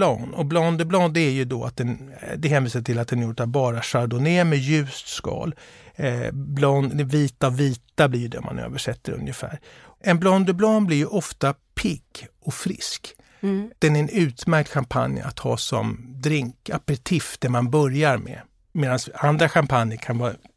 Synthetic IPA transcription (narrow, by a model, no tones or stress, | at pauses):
lɑːnɔblɔnd̪əblɑːnd̪ɛæɾjɵd̪ɔa̰t̪̚d̪ɛnd̪ɛɦɛːnviːsaʈʰɪlat̪̚d̪ɛnjʊʈːabɑːɾaʂaɾd̪ʊnemɛjʉ̟ːst̪skɑ̰ːl | blɔnd̪ɛviːt̪aviːt̪ablɪɾjɵd̪ɛ̰ɔ̰mʔa̰nø̰ːvəʂɛt̪ːəɾɵ̰njəfæ̰ːɾ | ɛnblɔnd̪əblonblɪɾjɵʔɔft̪a | pʰɪkːʔɔfɾɪ̰sk | d̪̥ɛnæɾɛnʉ̟ːt̪mæɾk̚t̪ɧampʰa̰nja̰t̪hɑ̰ːsɔ̰md̪ɾɪŋka̰pːɛt̪ʰɪfd̪̥ɛmanbœɾjaɾmɛ̰ | meːd̪ansand̪ɾaɧampʰanjəɾkʰanvɑː